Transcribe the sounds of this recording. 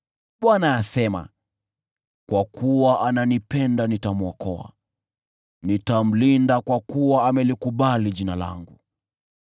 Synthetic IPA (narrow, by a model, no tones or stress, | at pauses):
ɓwanaːsɛma̰ | kwakʰuwaʔananipɛndanitamɔkɔa̰ | nitam̩lindakwakuwaːmɛlikuɓaliʄinala̰ŋɡu